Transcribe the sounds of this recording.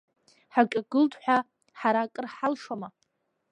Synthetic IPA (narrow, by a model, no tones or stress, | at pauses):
ħakʲʼaɡɨltʼħʷᶣa | ħaɾaːkʼɨrħalʂama